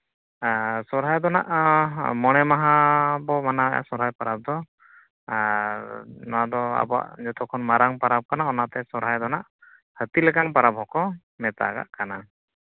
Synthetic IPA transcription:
sɔɾɦajd̪ɔna̰ʔmɔɽ̃ɛmaɦabɔmanaɛja̰ʔsɔɾɦajpaɾab̚d̪ɔ | nɔad̪ɔa̰bɔa̰ʔd͡ʒɔt̪ɔkʰɔnmaɾaŋpaɾab̚kanaɔnat̪ɛsɔɾɦajd̪ɔnaʔ | hət̪ilɛkaŋpaɾabɦɔkɔ | mɛt̪a̰ɡa̰ʔkana

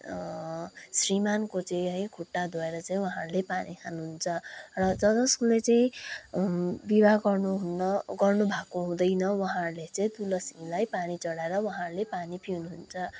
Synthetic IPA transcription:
srimankot͡sʌĩɦʌjkʰuʈːad̪ʱoeɾʌt͡saĩwʌɦãrlepanikʰanuɦunt͡sʰʌrʌd͡zʌd͡zʌskulet͡sʌĩ | bibʱaɡʌrnuɦunʌɡʌrnubʱakoɦũd̪ʌjnʌwʌɦãrlet͡sʌĩt̪ulʌsiŋlajpanit͡sʌɽaeɾʌwaɦãɾlepanipʰiunuɦunt͡sʰʌ

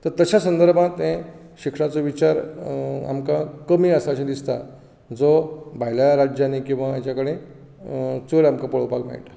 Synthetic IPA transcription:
t̪əɾt̪əɕasənd̪əɾbʱãt̪ɛ̃ | ɕikʂãt͡soʋit͡ɕaɾa̰mkakəmiːəsaɕẽd̪ist̪a̰ | d͡zobʱaɦjlaɾad͡ʑjanikĩw̃ʋaat͡ɕakəɽẽ | t͡səɭamkapəɭ̤əwpakma̰iʈ̪a

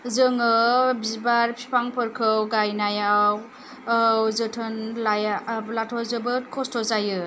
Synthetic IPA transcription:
zɯŋɯbizbaɾpʰi̥pʰaŋpʰɯɾkʰɯwɡajnajaw | wzɯtʰɯnlajalatʰɔzɯbɯtkʰɔstʰɔzajɯ

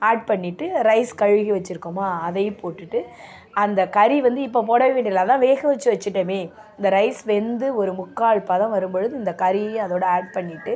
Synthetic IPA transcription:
aːɖ̚pɐɳːɪʈːɯɾɐɪskɐɻɣiʋɐt͡ʃːɪɾɯkːɯmaːɐðɐjpoːʈːɯʈːɯ | ɐnd̪ɐkɐɾiʋɐnd̪ɯɪp̬ːoːp̬oːɽɐʋɪʋeːɳɖɪɾɪlat̪ãːʋeːɣɐʋɐt͡ʃːɯʋɐt͡ʃːɯʈːɐmeː | ɪɪnd̪ɐɾɐɪsʋɛnd̪ɯɔɾɯmʊkːaːɻpɐðãːʋɐɾɯmbɔɻɯðɯɪnd̪ɐkɐɾĩɐðoːɽɐaːɾɖ̚pɐɳːɪʈːɯ

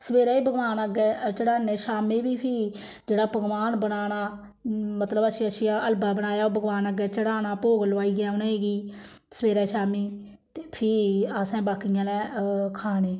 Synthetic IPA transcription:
səʋeːɾɛːiːbəɡʋaːnəɡɛːt͡ʃəɽaːneːʃaːmĩːbiːpʰiː | d͡ʒeːɽaːpəɡʋaːnbənaːnaː | mət̪ləbəsĩːəsiːaəlbaːbəñaːjaːoːbəɡʋaːnəɡɛːt͡ʃəɽaːnaːpoːɡloaːiːɡɪjaːonaːeːɡiː | səʋeːɾɛːʃaːmiː | t̪eːpʰiːasɛ̃ːbaːkɪjãːlɛ̃ːkʰaːneː

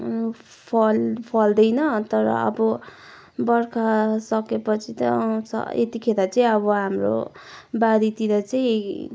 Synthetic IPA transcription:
pʰʌlpʰʌld̪ʌjnʌt̪ʌɾʌ̰ʌ̰bʌ | bʌrkʰasʌkepʌt͡sʰit̪ʌt͡sʰʌ̰et̪ikʰeɾat͡saj̃ʌβʌɦamro̰baɾit̪iɾʌt͡saĩ

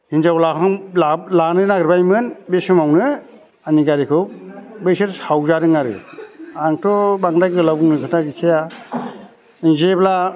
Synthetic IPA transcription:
hinzawlaaŋlalanɯnaɡɾbajmɯnbesɯmawnɯ | aniɡaɾikʰɯwbejsɯɾhawzaɾɯŋaɾɯ̰aŋtʰɔbaŋdajɡɯlabuŋnɯkʰɯtaɡikʰija | iŋzebla

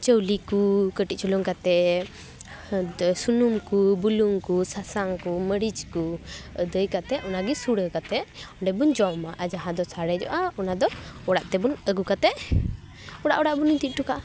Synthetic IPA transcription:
t͡ʃəwlikukəʈit̚t͡ʃʰulɔŋkat̪ɛ | sunumkubuluŋkusasaŋkuməɽid͡ʒkud̪əjkat̪ɛʔɔnaɡisuɽəkat̪ɛʔɔɖɛbund͡ʒɔwmaʔad͡ʒaɦãd̪ɔsaɽɛd͡ʒɔ̰ʔaɔnad̪ɔɔɽaʔt̪ɛbunəɡukat̪ɛʔ | ɔɽaʔɔɽaʔbunit̪it̪̚ʈuka

